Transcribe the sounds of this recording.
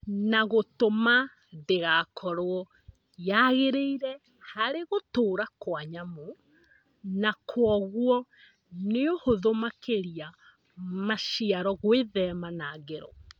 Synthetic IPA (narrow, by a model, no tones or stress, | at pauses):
naɣotoma | ðeɣaːkʰɔɾoɔ | jaɣeɾeiɾɛ | haɾeɣotoːɾakwaɲamo | nakʰwɔɣwɔ | neohoðomakeɾia | maʃiaɾɔɣweðɛmanaːɡeɾɔ